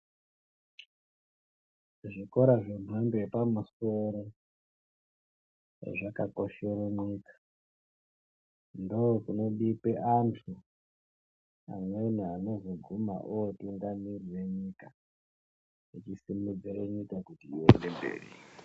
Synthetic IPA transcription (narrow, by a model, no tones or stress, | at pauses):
ʐiko̞ɾaʐen̤wambeepamuso̞ɾo | ḛʐakako̞ʃe̞roɲikḁ | ndookuno̞ɗipeʔantʰu | a̰mweniano̞zo̞ɡʱuma̰ʔuwotuŋɡamirire̞ɲika | it͡ʃisimud͡zireɲikakutiːḛnde̞mbḛːrḭ